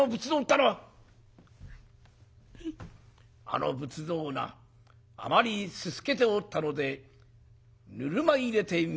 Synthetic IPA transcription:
obɯ̟t͡sɨd̪oːt̪ːanoa | a̰no̰bɯ̟t͡sɨd̪o̞ːna̰ː | maɾʲisɨsɨ̥ke̞t̪e̞ot̪ːano̞d̪e̞ | nɯɾɯ̟maiɾe̞t̪e̞

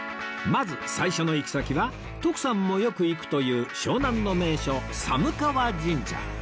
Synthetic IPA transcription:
mazɨsaiɕo̞no̞ikʲi̥sakʲiβa | t̪o̞kɯ̟̥sãmːo̞jo̞kɯ̟ikɯ̟̥t̪o̞jɯ̟ːɕo̞ːnãnːo̞me̞ːɕo̞samɯ̟kaβad͡ʑĩɲd͡ʑa̰

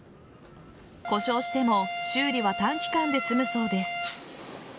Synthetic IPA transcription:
ko̞ɕo̞ːɕi̥t̪e̞mo̞ɕɨːɾʲiβat̪ãŋkʲi̥kãnd̪e̞sɨmɯ̟so̞ːd̪e̞sɨ̥

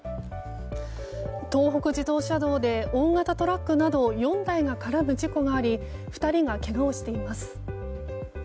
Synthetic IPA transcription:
t̪o̞ːɦo̞kɯ̟d͡ʑid̪o̞ːɕad̪o̞ːd̪e̞õ̞ŋɡat̪at̪o̞ɾakːɯ̟nad̪o̞jõ̞nd̪aiɡakaɾabɯ̟d͡ʑiko̞ɡaːɾʲi | ɸɯ̟̥t̪aɾʲiŋake̞ɡaoɕi̥t̪e̞imasɨ̥

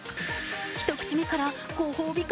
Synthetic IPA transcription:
çi̥t̪o̞kɯ̟̥t͡ɕimekaɾa | koːhoːbʲik

